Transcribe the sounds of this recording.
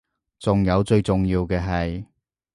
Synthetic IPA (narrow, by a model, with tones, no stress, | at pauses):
t͡sʊ˨ŋjɐ˨˧wt͡sɵ˧ɥt͡sʊ˨ŋjiː˧wkɛː˧ɦɐ˨j